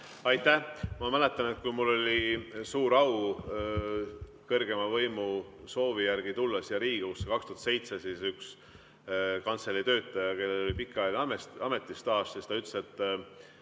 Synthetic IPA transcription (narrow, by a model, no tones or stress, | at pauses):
ɑjt̪ːˑæhmɑmæle̞t̪ːˑɑne̞t̪̚kujmulːo̞lʲisuːɾɑw | kɤrɡe̞mɑvɤjmuso̞ːvijærɡ̥it̪ulːɑsjɑɾiːɡ̥ekusːekɑkst̪uhɑt̪se̞jt̪se̞sisyks | kɑnt̪selːit̪ø̞ːt̪ˑːɑjɑke̞lːelo̞lipikˑːɑjlʲɑmeɑme̞t̪ˑːist̪ɑːssist̪ɑyt̪ːˑset̪ːˑ